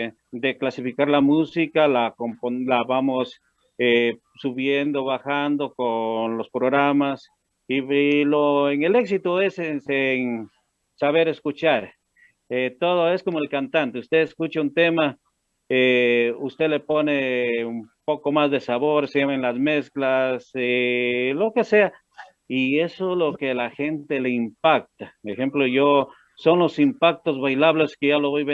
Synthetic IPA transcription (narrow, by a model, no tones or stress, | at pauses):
d̪eklasifikaɾlamusikalakompolaβamos | e | suβjend̪oβaxand̪okonlospɾoɣɾamas | iiloeŋeleksit̪oeseseŋ | saβeɾeskut͡ʃaɾ | et̪oð̞oe̞skomoelkant̪ant̪eust̪eeskut͡ʃaunt̪ema | eust̪eleponeumpokomazðesaβoɾseenlasmesklaselokesea | iesolokelaxent̪eleimpak̚t̪aexemploʝo | sonlosimpak̚t̪ozβajlaβleskejaloβojβe